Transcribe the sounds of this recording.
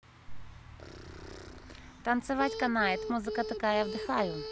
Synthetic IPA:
t̪ɐnt̪sɪʋɑtʲkɐnɑɛt̪muzɪkɐt̪ɐkɑjɛwd̪ɪxɑjʊ

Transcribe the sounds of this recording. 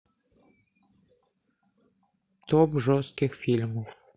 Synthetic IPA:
t̪ɔbʐɔst̪kɪxfʲilʲmuw

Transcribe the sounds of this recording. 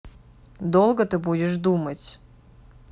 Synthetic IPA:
d̪olˠɡət̪ɨbudʲɪʂd̪umətʲ

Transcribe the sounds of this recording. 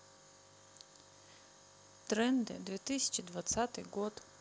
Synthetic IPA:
t̪ɾɛnd̪ɪ̰d̪ʋʲit̪ɪsʲɐ̥t͡ʃid̪ʋɐt̪sat̪ɪɣɔt̪

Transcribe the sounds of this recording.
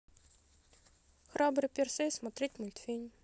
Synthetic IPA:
xrabɾɨpʲersʲesmɐt̪ɾʲetʲmulʲt̪fʲenʲ

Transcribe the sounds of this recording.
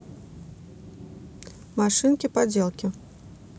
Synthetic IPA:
maʂɨnkʲipad͡zʲelˠkʲi

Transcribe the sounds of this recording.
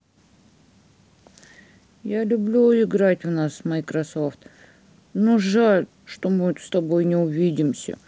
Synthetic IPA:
jalʲʊblʲuɪɡɾatʲvnasmɐjkɾɐsoft̪ | noʐalʲ | ʂt̪omɨst̪ɐbo̞jnʲɪʊvʲidʲɪmsʲə̰

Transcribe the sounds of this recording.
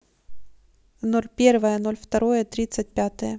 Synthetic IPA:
no̞lʲpʲe̞rvəjəno̞lʲft̪ɐɾo̞jət̪ɾʲit̪sət̚ʲpʲat̪əjə

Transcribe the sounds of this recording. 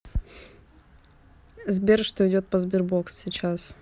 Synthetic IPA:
zbʲerʂt̪oɪdʲot̪̚pəzbʲɪrbokssʲɪt͡ɕas

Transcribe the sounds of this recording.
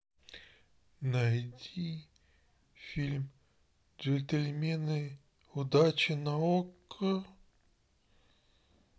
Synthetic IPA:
nɐjdʲi | fʲilʲm | d͡ʒet̪ʲelʲmʲenɨj | ʊd̪at͡ɕɪnɐokːə

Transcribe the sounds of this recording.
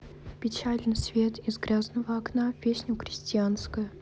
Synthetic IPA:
pʲɪt͡ɕalʲnɨsvʲe̞t̪ɪzɡɾʲaznəvəɐknapʲesʲnʲʊxɾʲɪsʲtʲɪanskəjʊ

